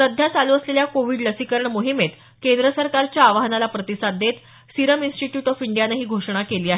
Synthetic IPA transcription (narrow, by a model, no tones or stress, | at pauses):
səd̪ʱjat͡saluːəsleljakoʋiːɖləsikəɾəɳmoɦimet̪ | kend̪ɾəsəɾkaɾt͡ɕjaːʋaɦnalapɾət̪isad̪ʱːet̪ | siɾəminsʈiʈjuːʈɔfiɳɖijanaɦiːɡʱoʂɳ̃akeliːaɦe